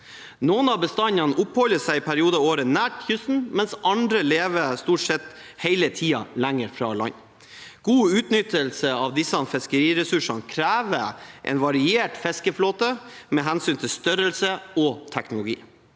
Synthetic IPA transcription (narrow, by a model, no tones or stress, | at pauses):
noːnɑbəst̪ɑnːɑnʔʊphɔlːəsæɪɪpʰæɾɪuːd̪əoːɾənæːʈçʏsn̩mɛnsʔɑnd̪ɾəleːʋəst̪uːʈsɛt̪ː | hɛɪlət̪ʰiːɑ̰læŋəɾfɾɑ̰lɑ̰ɲː | ɡ̥uːʉːt̪nʏt̪əlsəɑʋd̪ɪsɑnfɛskəɾiːɾɛsʉʂɑnkʰɾæːʋəʔɛ̰nʋɑɾɪeːʈfɛskəfloːt̪ə | mɛɦænsyːnt̪ʰɪlst̪œɾəlsəɔt̪ʰæknʊlʊɡḭː